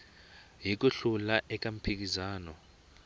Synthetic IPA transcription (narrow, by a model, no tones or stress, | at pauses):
ɦik̬ʼuɬulaʔɛk̬ʼam̩pʰik̬ʼizaːnɔ